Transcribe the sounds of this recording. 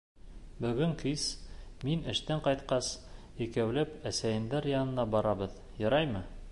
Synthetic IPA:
bɵ̆ɡɘŋkiz̥minɘ̆ʃt̪æɴqɑjt̪qɑs | ikæwlɘpæsæjɘ̆nd̪æɾjɑnɤ̆nɑbɒɾɑbɤð | jɤ̆ɾɑjmɤ

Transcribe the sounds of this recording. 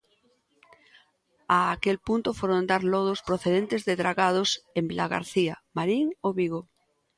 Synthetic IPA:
aːkelpunt̪ofoɾond̪aɾloð̞ospɾoθeð̞ent̪ezðeðɾaɣað̞osembilaɣa̰ɾθiamaɾiŋoβiɣo

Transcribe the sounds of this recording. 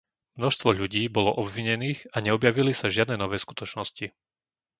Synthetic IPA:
mnɔʃst̪ʋɔʎuɟiːbɔlɔʔɔbʋiɲɛniːɣaɲɛɔbjaʋilisaʒɪad̪nɛːnɔʋɛːsku̥t̪ɔt͡ʃnɔsci

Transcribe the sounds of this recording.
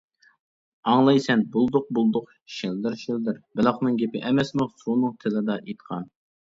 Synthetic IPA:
ɑŋlˠɑjsɛnbulˠd̪ʊq̚bulˠd̪ʊq | ʃɪld̪ɪɾʃɪld̪ɪɾbɪlˠɑχnɨŋɡʲepɪʔɛmɛsmʊsunɨŋt̪ʰɪlɪd̪ɑʔet̪qʰɑn

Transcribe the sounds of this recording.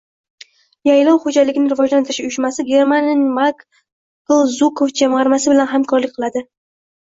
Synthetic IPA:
jajlɒwχod͡ʒalɪɡʲɪnɪɾɪvɒd͡ʒlant̪ʰɪɾɪʃʊjɪʃmasɪɡʲe̞ɾmanʲnmak | kɨlˠzukʰofd͡ʒamʁɑɾmasɪbɪlanɦamkʰɒɾlɪkʲqʰɨlˠad̪ɪ

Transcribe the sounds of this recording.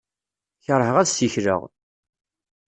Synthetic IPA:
çəɾˤhəʁæðsiçɾə̰ʁ

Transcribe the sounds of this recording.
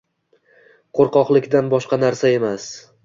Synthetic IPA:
qʰoɾqɒqlˠɪkʲd̪anbɒʃqɑnaɾsae̞mas

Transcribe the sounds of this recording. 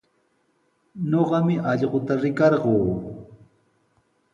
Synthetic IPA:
ɲoɢɑmɪʔɑʎɢot̪aɾɪkɑɾɢoː

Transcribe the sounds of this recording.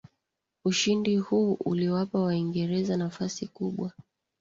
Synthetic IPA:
uʃindihuːʔṵliwapawaiŋɡɛɾɛzanafasikuɓwa

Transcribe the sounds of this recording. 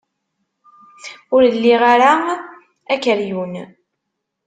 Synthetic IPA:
ʊɾlːiʁaɾa | ækəɾjun

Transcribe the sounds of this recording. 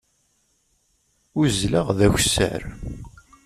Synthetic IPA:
ʊzləʁðæçsːə̰ɾ

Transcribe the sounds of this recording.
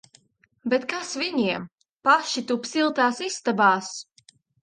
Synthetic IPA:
bet̪kasviɲiɛm | paʃit̪upsilˠt̪aːsist̪abaːs

